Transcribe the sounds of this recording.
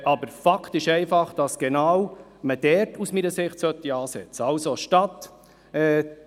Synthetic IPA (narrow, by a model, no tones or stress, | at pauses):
ʔɑbəɾfɑkʰtɪʃɛɪfɑχd̥ɑsɡ̥enaːwməd̥ɛɾtusmiɾəsɪχtsœt̪ːiɑːsɛt͡səɑlsoʃtɑt̪ | ɛ